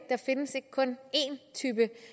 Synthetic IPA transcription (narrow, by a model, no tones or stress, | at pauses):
ɡ̥̚d̥ɑ̈fe̝nəse̝ɡ̥kʰɔ̽ne̝nt͡sʰyːb̥ə